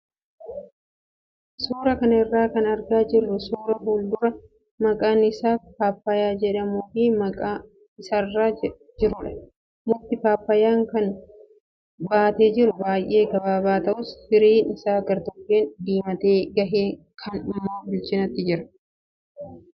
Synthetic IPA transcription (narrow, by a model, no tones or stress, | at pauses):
suːɾɐkɐnɐɪrːaːkɐnɐɾɡaːd͡ʒɪrːʊsuːɾɐɦuːld̪ʊɾɐ | mɐkʼaːnɪsaːfaːpːɐjaːd͡ʒɛᶑɐmuːfɪmɐkʼaː | ɪsarːaː | d͡ʒɪɾʊᶑɐ̥ | mʊt̪ːɪfaːpːɐjaːŋkɐn | baːt̪e̞ːd͡ʒɪɾʊbaːjʔe̞ːɡɐbaːbaːt̪ɐʔʊshɪɾiːnɪsaːɡɐɾt̪ɔkːeːnd̪iːmɐt̪eːɡɐɦeː | kʰɐnʊmːaːbɪlt͡ʃɪnɐt̪ːɪd͡ʒɪɾɐ̥